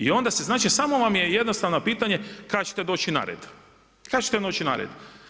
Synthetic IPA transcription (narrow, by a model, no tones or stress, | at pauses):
io̞nd̪aseznaːt͡ʃisaːmo̞ʋamje̞jed̪nost̪aʋnopiːt̪aɲekaɡt͡ʃe̥t̪e̞d̪o̞ːt͡ʃina̰ɾḛd̪ | kaɡt͡ʃet̪ed̪o̞ːt͡ʃina̰ːɾḛd̪